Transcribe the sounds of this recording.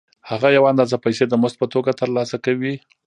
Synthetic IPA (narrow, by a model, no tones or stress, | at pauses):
haɣajawaand̪ɑzapajsed̪əmʊst̪̚pət̪oɡat̪əɾlɑsakawi